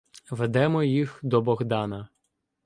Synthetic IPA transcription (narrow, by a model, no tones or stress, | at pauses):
ʋed̪ɛmɔjixd̪ɔbɔɣd̪ɑnɐ